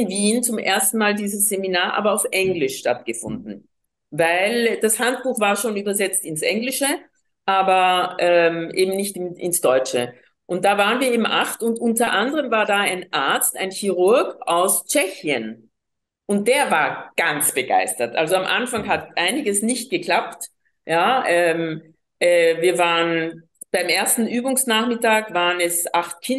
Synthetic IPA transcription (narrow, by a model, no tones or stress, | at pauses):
ɪnviːnt͡sʊmʔḛːɐstn̩maːldiːzəsz̥eminaːɐʔa̰ːbɐaʊfʔɛŋɡlɪʃʃtatɡ̥əfʊndn̩ | vaɪld̥ashant̚b̥uːxv̥aːɐʃoːnyːbɐzɛt͡stɪnsʔɛŋlɪʃə | ʔaːbɐʔɛmʔeːbm̩nɪçtɪnʔɪ̰nsd̥ɔʏt͡ʃə | ʔʊnt̚d̥aːvaːʁənviːɐeɪːbm̩ʔaxtʊntʔʊntɐʔandəʁəmvaːɐdaːaɪnʔaɐt͡sta̰ɪnçiʁʊɐɡaʊst͡ʃɛçiən | ʔʊnt̚d̥eːɐvaːɐɡ̥ant͡sb̥əɡ̥a̰ɪstɐtʔa̰lzoamʔa̰nfaŋɦatʔaɪnɪɡəsnɪçt̚ɡ̥əkl̥ap̚t | jaːʔɛm | ʔɛːviːɐvaːʁən | b̥aɪmʔeːɐstn̩ʔyːbʊŋsnaːχmɪtaːkvaːʁənɛsʔaχt̚kʰɪ